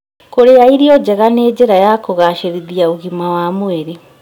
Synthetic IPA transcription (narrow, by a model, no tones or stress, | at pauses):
koɾeaiɾiɔd͡ʑɛɣaneːd͡ʑeɾajakoɣaʃeɾiðiaoɣimawamwɛɾe